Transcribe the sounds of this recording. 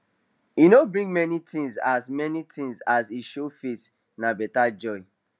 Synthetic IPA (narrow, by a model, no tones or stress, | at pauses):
inobɹĩŋmɛnitʰĩŋza̰smɛnitĩŋzasiʃofes | nabɛtad͡ʒɔɪ